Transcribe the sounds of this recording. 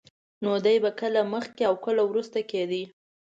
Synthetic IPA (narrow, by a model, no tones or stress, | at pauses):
nod̪ajbakəlaməxkeawkəlawɾust̪aked̪i